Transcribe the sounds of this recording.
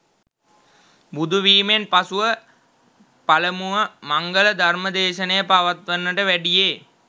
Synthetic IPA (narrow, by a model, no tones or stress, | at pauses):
bud̪ʱuʋiːmenpasuʋə | paləmuʋəmaŋɡələd̪ʱarməd̪eːʃənəjəpaʋat̪ʋənːəʈəʋæɖijeː